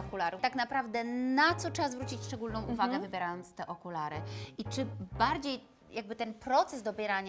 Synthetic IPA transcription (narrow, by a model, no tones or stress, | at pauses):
ɔkulaɾut̪aknapɾavd̪ɛnat̪sɔt͡ʂʂɛbazvɾut͡ɕit͡ɕʂt͡ʂɛɡulnɔ̃w̃uvaɡɛvɘbʲjɛɾajɔnt̪st̪ɛʔɔkulaɾɘit͡ʂɘbaɾd͡ʑej | jaɡ̚bɘt̪ɛnpɾɔt̪sɛzd̪ɔbʲjɛɾaɲ